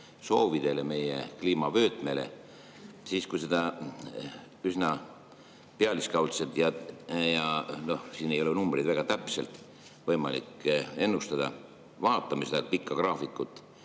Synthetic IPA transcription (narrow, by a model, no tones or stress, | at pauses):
so̞ːvid̪̥e̞leme̞je̞̰kliːmɑvø̞ːt̪me̞le̞̰ | siːskujsed̪̥ɑ | ysnɑ | peɑliskɑwlsed̪̥jɑjɑno̞hsiːnejo̞lenumbrijd̪væɡ̥ɑt̪æpse̞lt̪ˑ | vɤjmɑ̰lḭkːe̞nːust̪ɑd̪̥ɑ̰ | vɑːt̪ːˑɑmised̪ɑpikˑːɑkrɑːfikːˑut̪ːˑ